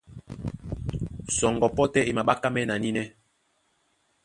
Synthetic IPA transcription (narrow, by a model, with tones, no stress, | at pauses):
sɔ˨ŋɡɔ˨pɔ˦tɛ˦e˨ma˨ɓa˦ka˦mɛ˦na˨ni˦nɛ˦